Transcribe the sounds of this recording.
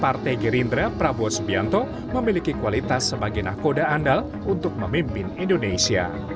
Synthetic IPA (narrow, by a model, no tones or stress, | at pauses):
part̪ɛjɡəɾind̪ɾapɾabɔsbiant̪ɔ | məmilikikuwalit̪asːəbaɡajnakodaːndal | unt̪ʊk̚məmimpɪnindonesia̰